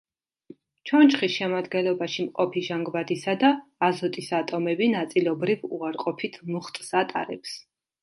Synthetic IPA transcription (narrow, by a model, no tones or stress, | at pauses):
t͡ʃʰɔnt͡ʃχisʃɛmad̪ɡɛnlɔbaʃimqʼɔpʰiʒaŋɡvad̪isad̪aːzɔt̪ʼisat̪ʼɔmɛbinat̪sʼilˠɔbɾivṵaɾqʼɔpʰit̪ʰmuχt̪ʼsat̪ʼa̰ɾɛps